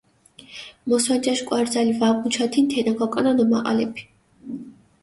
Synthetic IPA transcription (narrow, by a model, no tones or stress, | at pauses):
mɔswand͡ʒaʃkʼwaɾd̪zalivaɡunt͡ʃʰat̪ʰint̪ʰɛnaɡɔkʼɔnanɔmaʔʼa̰lɛpʰi̥